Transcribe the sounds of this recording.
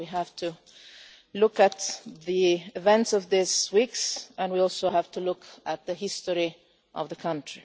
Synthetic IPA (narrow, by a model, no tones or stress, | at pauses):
wiɦæv̥tʰu | lʊkɨt̪ðiɪvɛ̃ntsʌvðɪswiksɨ̃nwiɔlˠsoʊhæv̥tulʊkɨt̪̚ðɨɦɪstə˞i | ʔʌvðəkʰʌ̃ntɹ̥i